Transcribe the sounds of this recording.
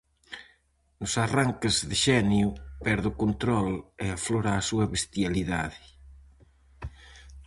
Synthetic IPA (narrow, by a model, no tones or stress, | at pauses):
nʊsaraŋkezðeʃɛnjupɛɾðʊkont̪ɾɔleafloɾaːsuɐβest̪jaliða̰ðɪ